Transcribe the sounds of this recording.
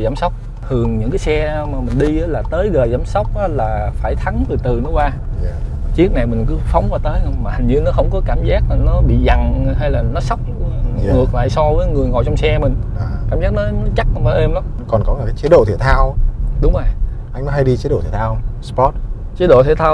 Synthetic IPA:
zaː˨˦msa˦˥wk͡p̚ | t̪ʰɨ˨˩əŋɲɨ̰˧˥ŋkaː˨˦jsɛ˧maː˨˩mï˨˩ŋ̟ɗi˧ʔaː˨˦laː˨˩t̪əː˨˦jzəː˨˩jzaː˨˦msa˦˥wk͡p̚ʔaː˨˦laː˨˩faː˧˩jt̪ʰa˨˦ŋt̪ɨ˨˩t̪ɨ˨˩nɔ˨˦kwaː˧ | t͡ɕi˦˥ək̚na˨˩jmï˨˩ŋ̟kɨ˨˦fa˨˦wŋ͡mkaː˧˩t̪əː˨˦jmaː˨˩ha˨˩ŋ̟ɲɨ˧nɔ˨˦xə˧wŋ͡mkɔ˨˦kaː˧˩mzaː˦˥k̚aː˨˩nɔ˨˦ɓḭ˧˨za˨˩ŋ˩ɦa˧jlaː˨˩nɔ˨˦sa˦˥wk͡p̚ŋɨ˨˩ək̚la̰ː˧˨jsɔ˧vəː˨˦jŋɨ˨˩əjŋɔ̰˨jt͡ɕɔ˧ŋ͡msɛ˧mï˨˩ŋ̟˨kaː˧˩mzaː˦˥k̚nɔ˨˦nɔ˨˦t͡ɕa˦˥k̚ʔmaː˨˩ʔɛ˧mla˨˦mkɔ˨˩nkɔ˨˦laː˨˩kaː˨˦jt͡ɕi˨˦ɗo̰˧˨t̪ʰi˧˩t̪ʰaː˧wɗʊ˨˦ŋ͡mə˨˩j | ʔa˧jŋ̟nɔ˨˦ha˧jɗi˧t͡ɕi˨˦ɗo̰˧˨t̪ʰi˧˩t̪ʰaː˧wspɔ˦˥t̚ | t͡ɕi˨˦ɗo̰˧˨t̪ʰe˧˩t̪ʰaː˧

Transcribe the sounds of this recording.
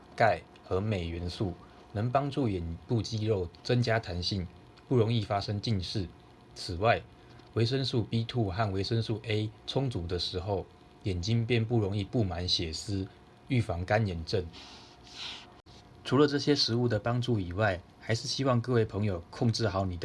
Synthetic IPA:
ka˥˩ɪ | xɤ˧˥me˨˩ɪɥɛ˧˦nsu˥˩ | nə˧˦ŋpɑ˥ŋʈ͡ʂu˥˩jɛ˨˩npu˥˩t͡ɕi˥ɻo˥˨ʊt͡sə˦ŋt͡ɕja˥t̪ʰa˧˦˥nɕi˥˩n | pu˥˩ɻo˧˦˥ŋi˥˨fa˥ʂə˦ŋt͡ɕi˥˧nʂɻ̩˥˩ | t͡s̩ʰ˨˩wa˥˩ɪ | we˧˥ɪʂ̬ə˦nsu˥˩pi˦t̪ʰu˥˧xa˥˩nwe˧˥ɪʂə˦nsu˥˧ʔe˥ɪt͡sʰʊ˥ŋt͡su˨˦d̪ə˨ʂɻ̩˧˥xo˥˨ʊ | jɛ˨˩nt͡ɕi˦npjɛ˥˨np̬u˥˩ɻo˧˥ŋi˥˧pu˥˩ma˨˧˦nɕjɛ˨˩s̩˥ | y˥˩fɑ˧˦˥ŋka˦njɛ˨˩nʈ͡ʂə˥˩n | ʈ͡ʂʰu˧˥lə˨ʈ͡ʂɤ˥˩ɕjɛ˦˥ʂɻ̩˧˦u˥˩d̪ə˩pɑ˥ŋʈ͡ʂu˥˩i˨˩wa˥˩ɪha˧˥ɪʂɻ̩˥˩ɕi˦˥wɑ˥˧ŋkɤ˥˧we˥˩ɪpʰɤ˧˦ŋjo˨ʊkʰʊ˥˧ŋʈ͡ʂɻ̩˥˩xɑ˨˥ʊni˨˩d̪

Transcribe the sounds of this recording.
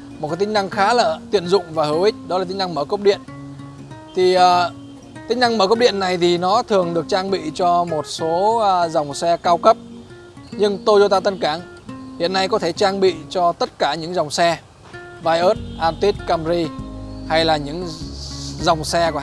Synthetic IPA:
mo˨˩t̚ka˨˦tt͡ɕï˦ŋna˧ŋxaː˨˦lə̰ː˧˨˩t̪ḭ˧˨ənzʊ̰˧˨ŋ͡mvaː˨˩həː˧˩wʔï˦˥k̟̚ɗɔ˨˦laː˨˩ï˨˦ŋna˧ŋməː˧˩kə˦˥wk͡p̚ɗḭ˧˨ən | t̪ʰi˨˩ʔəː˨˩ | t̪ï˨˦ŋ̟na˧ŋməː˧˩kə˦˥p̚ɗḭ˧˨ənːa˨˩jt̪ʰi˨˩nɔ˨˦t̪ʰɨ˨˩əŋɗɨ˨˩ək̚t͡ɕaː˧ŋɓḭ˧˨t͡ɕɔ˧mo˨˩t̚so˨˦˧za˨˩wŋ͡msɛ˧kaː˧wkə˦˥p̚ | ɲɨ˧ŋt̪o˧jzo˧t̪aː˧t̪ə˧nkaː˧˩ŋ | hḭ˧˨ənːa˧jkɔ˨˦t̪ʰe˧˩t͡ɕaː˧ŋɓḭ˧˨t͡ɕɔ˧t̪ə˦˥t̚kaː˧˩ɲɨ̰˧˥ŋza˨˩wŋ͡msɛ˧ | vaː˧jʔəː˦˥t̚ʔaː˧nt̪i˦˥t̚kaː˧mzi˧ha˧jlaː˨˩ɲɨ̰˧˥ŋ | za˨˩wŋ͡msɛ˧ku˧˩

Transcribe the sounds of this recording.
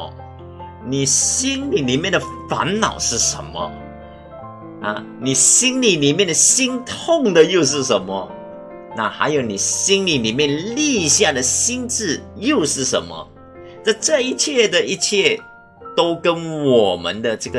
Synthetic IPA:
ni˨˩ɕi˥nli˨˩li˨˩mjɛ˥˩nd̪ə˩fa̰˧˥nnɑ̰˨˩ʊʂɻ̩˥˩ʂə̰˧˦nmə̰˧ | a̰˥˧ | ni˨˩ɕi˥nli˨˩li˨˩mjɛ˥˩nd̪ə˩ɕi˥ŋt̪ʰʊ˥˩ŋd̪ə˨jo˥˧ʊʂ̬ɻ̩˥˩ʂə˧˥nmə˧ | na˥˩xa̰˧˥ɪjo˧˩ʊni˨˩ɕi˥nli˨˩li˨˩mjɛ˥˧nli˥˧ɕja˥˩d̪ə˩ɕi˥nt͡sɻ̩˥˩jo˥˧ʊʂɻ̩˥˩ʂə̰˧˥nmə̰˧ | na˥˧ɪʈ͡ʂɤ˥˧i˥˧t͡ɕʰjɛ˥˩d̪ə˨i˥t͡ɕʰjɛ˥˩ | t̪o˥ʊkə˥nwɔ˨˩mə̰˧˦nd̪ə˨ʈ͡ʂɤ˥˩ɡə˨

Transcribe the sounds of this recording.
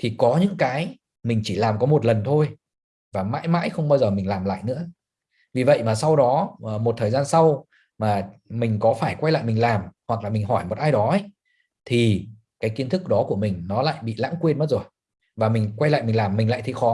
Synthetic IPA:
t̪ʰi˨˩kɔ˨˦ɲɨ̰˧˥ŋkaː˨˦j | mï˨˩ŋ̟t͡ɕi˧˩laː˨˩mkɔ˨˦mo˨˩t̚lə˨˩nt̪ʰo˧j | vaː˨˩ma̰ː˧˥jma̰ː˧˥jxə˧wŋ͡mɓaː˧wzəː˨˩mï˨˩ŋ̟laː˨˩mla̰ː˧˨jnɨ̰˧˥ə | vi˨˩və̰˧˨jmaː˨˩sa˧wɗɔ˨˦˨mo˨˩t̚t̪ʰəː˨˩zaː˧nsa˧w | maː˨˩mï˨˩ŋ̟kɔ˨˦faː˧˩jkwa˧jla̰ː˧˨jmi˨˩ŋ̟laː˨˩mhwa˨˩k̚laː˨˩mï˨˩ŋɦɔ˧˩jmo˨˩t̚ʔaː˧jɗɔ˨˦ə˦ | t̪ʰi˨˩ | kaː˨˦jki˨˦nt̪ɨ˦˥k̚ɗɔ˨˦ku˧˩əmï˨˩ŋ̟nɔ˨˦la̰ː˧˨jɓḭ˧˨la̰ː˧˥ŋkwi˧ənmə˦˥tzo˨˩j | vaː˨˩mï˨˩ŋ̟kwa˧jla̰ː˧˨jmï˨˩ŋ̟laː˨˩mːï˨˩ŋla̰ː˧˨jt̪ʰi˧˩xɔ˨˦

